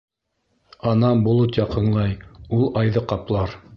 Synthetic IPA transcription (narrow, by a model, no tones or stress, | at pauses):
ɑnɑbulˠɤt̪jɑqɤ̆ɴlˠɑjulˠɑjðɤqɑplˠɑɾ